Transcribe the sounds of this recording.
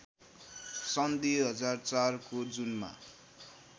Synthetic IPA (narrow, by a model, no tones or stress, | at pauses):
sʌnd̪iɦʌd͡zart͡sarkod͡zunma̰